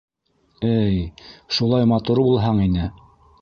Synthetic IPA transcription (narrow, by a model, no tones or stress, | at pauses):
ɘjʃulˠɑjmɑt̪uɾbulˠɦɑɴinɘ